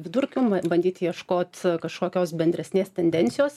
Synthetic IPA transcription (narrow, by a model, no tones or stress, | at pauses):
ʋʲɪd̪ʊɾʲkʲuːbɐnʲd̪ʲiːt̪jiɛʃkoːt̪ʲkɐʃkoːkʲoːsbʲɛnʲd̪ʲɾʲɛsʲnʲeːst̪ʲɛnʲd̪ʲɛnʲt̪sʲɪjoːs